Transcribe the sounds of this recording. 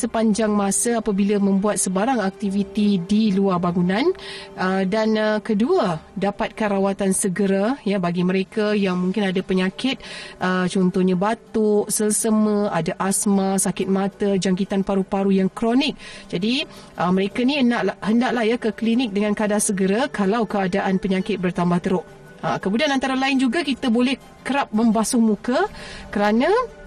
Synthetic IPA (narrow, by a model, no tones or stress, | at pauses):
səpaɲd͡ʒaŋmãsəapabilamə̃mbuat̪̚səbaɾaŋak̚t̪ivit̪idiluarbaŋunãnədanəkəduadapat̪̚kanɾawat̪ansəɡəɾajabaɡiməɾekajaŋmuŋkɪnadapəɲãkɪt̪̚ʔət͡ʃɔnt̪ɔhɲabat̪ʊʔsəlsəməadaʔasmasakɪt̪̚mãt̪əd͡ʒaŋkit̪anpaɾupaɾujaŋkɾonɪk̚d͡ʒadi | ʔəməɾekaniənaʔʔhəndaʔlahjakəklinɪk̚dəŋãnkadasəɡəɾakʰalawkəadaʔanpəɲãkɪt̪̚bərt̪ambaht̪əɾʊʔ | əkəmudianãnt̪aɾalaɪnd͡ʒuɡakit̪abolɛh | kəɾap̚məmbasʊhmukəkəɾana